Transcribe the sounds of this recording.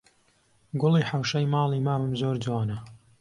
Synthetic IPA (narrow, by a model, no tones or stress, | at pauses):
ɡʊlˠiːħawʃɐjmɑːlˠimaːvɨmzoːɾd͡ʒwɑːnɐ